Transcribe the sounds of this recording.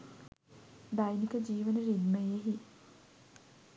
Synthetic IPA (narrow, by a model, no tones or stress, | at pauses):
d̪ajnikəd͡ʒiːʋənəɾid̪meeɦi